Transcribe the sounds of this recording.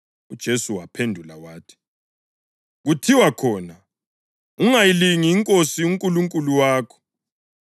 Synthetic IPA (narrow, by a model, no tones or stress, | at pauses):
ud̥ʒ̥ʱesuwapʰendʱula̰waːtʰi̥ | ɣutʰiwakʰɔːna | uŋajiliŋiːŋkʼosiuŋkʼuluŋkʼuluwaːkʰɔ̥